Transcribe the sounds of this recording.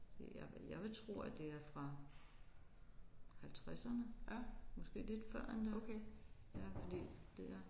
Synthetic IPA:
dejɑjɑ̈ɪʋe̝t͡sʰʁo̝̰ːæd̥e̝æɐfʁɑ̈ | hælt͡sʰʁasɐnəmɒ̽sɡ̥e̝̰ːle̝d̥fɶɐ̰end̥ækʰejæfɒd̥ḭːd̥e̝æɐ

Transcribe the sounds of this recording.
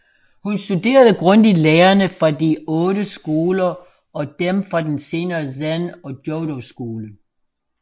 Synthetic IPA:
hunsd̥ude̝̰ːɐðˠəɡ̥ʁɔnd̥ileːɐnəfʁɑ̈diɔ̽ːðəsɡ̥o̝ːlɐ | ʔɒ̽d̥emfʁɑ̈d̥ense̝ːnɐːsænɒ̽d̥jɔʊɾosɡ̥o̝ːlə

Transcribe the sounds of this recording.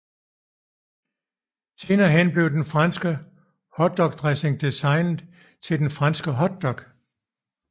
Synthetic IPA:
se̝ːnɐːɦenb̥le̝ʊd̥enfʁɑnsɡ̥ə | hɒ̽d̥ɒ̽ɡ̥̚d̥ʁɛseŋd̥isɑ̈ɪnð̩ˠ | t͡sʰe̝ld̥enfʁɑ̈nsɡ̥əɦɒ̽d̥ːɒ̽ɡ̥

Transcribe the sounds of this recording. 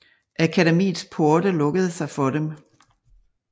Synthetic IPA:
ʔækʰædemḭːð̩ˠspʰoɐd̥əlɔ̽ɡ̥əð̞ˠəsɑ̈ɪfɒ̽dem

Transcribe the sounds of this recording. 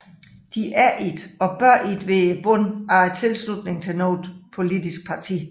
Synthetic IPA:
d̥iʔæɐʔid̥ɒ̽b̥ɶɐ̰id̥ʋe̝b̥ɔnɑt͡sʰe̝lslud̥ne̝ŋt͡sʰe̝lnoːd̥pʰo̝lid̥isɡ̥̚pʰɑ̈t͡sʰḭː

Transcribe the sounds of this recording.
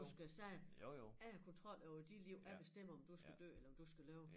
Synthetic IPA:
usɡ̥æsɛ | ækʰɔ̽nt͡sʰʁɒ̽l̰æʊid̥id̥liʊ̰æb̥e̝sd̥em̰ɐɒ̽md̥usɡ̥æd̥ø̰ːelɐɒ̽md̥usɡ̥ælɛːʊ

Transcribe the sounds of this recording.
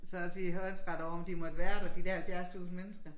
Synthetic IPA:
sɒ̽siːɦønsʁɑd̥ɒʊɒ̽md̥imɒ̽d̥əʋæːɐd̥æd̥id̥æɐhælfjæɐst͡sʰṵːsn̩menəsɡ̥ɐ

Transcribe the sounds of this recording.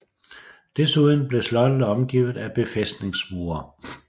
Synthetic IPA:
d̥esuðˠən̩b̥le̝slɒ̽d̥ələɒ̽mɡ̥iʊð̞̩ˠæb̥e̝fesd̥ne̝ŋsboːɐ

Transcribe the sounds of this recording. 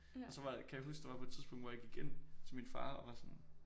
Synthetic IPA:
ɒ̽sɒ̽ʋɑ̈kʰæjäɦusɡ̥d̥eʋɑ̈pʰɒ̽e̥t͡sʰiðˠsb̥ɔ̽ŋ̰d̥ʋɒjaɡ̥iɡ̥ent͡sʰe̝lminfɑ̰̈ːɒ̽ʋɑ̈sɔ̽n

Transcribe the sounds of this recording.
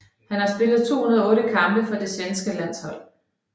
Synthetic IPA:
hænhɑ̈sb̥e̝lð̩ˠt͡sʰo̝̰ːhunɐɔ̽ːɾəkʰɑ̈mb̥əfɒ̽d̥e̝sʋensɡ̥əlæn̰shɒ̽l̰

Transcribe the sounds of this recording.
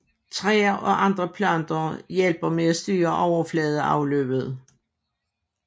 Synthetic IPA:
t͡sʰʁɛːɐʔɒ̽ʔɑ̈nd̥ʁəpʰlɶnd̥ɐjelb̥ɐmeæsd̥yːɐʔɒʊ̰ɐflɛːð̞ˠəɑ̈ʊlø̰ːb̥ð̩ˠ

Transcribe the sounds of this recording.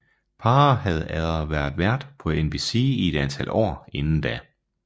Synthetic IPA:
pʰɑ̈ːhæð̞̩ˠæðˠɐʋæɐdˠʋæɐd̥pʰɒ̽enb̥isiie̝d̥ænt͡sʰælʔɒ̰ːe̝nn̩d̥æ

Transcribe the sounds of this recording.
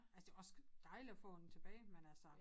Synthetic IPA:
ʔælsə̥d̥e̝ɒ̽sd̥ɑ̈ɪliɒfɔ̰̽ːd̥en̩t͡sʰe̝b̥ɛ̰ːɪmenælsɒ

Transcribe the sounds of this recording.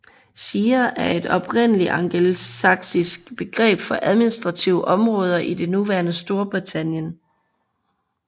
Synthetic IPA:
siːɐʔæɐe̝d̥ɒ̽b̥ʁen̰əliʔɑ̈ŋɡ̥elsɑ̈ɡ̥sisɡ̥b̥e̝ɡ̥ʁɛ̰ːb̥fɒ̽ʔæð̞ˠminisd̥ʁɑ̈t͡sʰiʊʔɒ̽mʁɔ̽ːð̞ˠɐʔide̝nuʋæːɐnəsd̥o̝ɐb̥ʁit͡sʰæn̰jən

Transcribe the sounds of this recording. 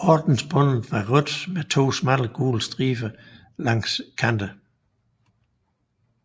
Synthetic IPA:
ɒːd̥n̩sb̥ɔ̽n̰ð̩ˠʋɑ̈ʁɔd̥met͡sʰo̝̰ːsmædəɡ̥ṵːlsd̥ʁiːfə | lɑ̈ŋ̰skʰænd̥ə

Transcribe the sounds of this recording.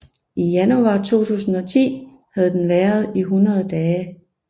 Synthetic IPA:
ʔijænuɑ̈t͡sʰo̝̰ːt͡sʰṵːsn̩ɒ̽t͡sʰḭː | hæð̞̩ˠd̥enʋæːɐð̞̩ˠiɦunɐð̞ˠd̥ɛː

